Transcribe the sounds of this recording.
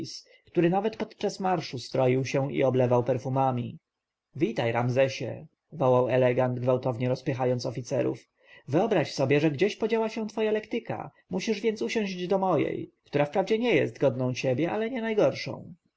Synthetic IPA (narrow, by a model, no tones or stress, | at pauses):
s | kt̪uɾɘnavɛt̪pɔt̪t͡ʂasmaɾʂust̪ɾɔjiwɕɛḭɔblɛvawpɛɾfumamʲi | vʲit̪ajɾamzɛɕɛ̰ | vɔwawɛlɛɡand̪ɡvawt̪ɔvɲɛɾɔspɘxajɔnt̪sɔfʲit̪sɛɾṵf | vɘɔbɾaɕsɔbʲjɛʐɛɡd͡ʑeɕpɔd͡ʑawaɕɛ̃t̪fɔjalɛkt̪ɘka̰ | muɕiʐvʲjɛnt̪suɕɔ̃w̃ʑd͡ʑd̪ɔmɔjɛ̰jkt̪uɾafpɾavd͡ʑɛɲɛjɛ̰st̪ɡɔd̪nɔ̃w̃t͡ɕɛbʲjɛʔalɛɲɛnajɡɔɾʂɔ̰̃w̃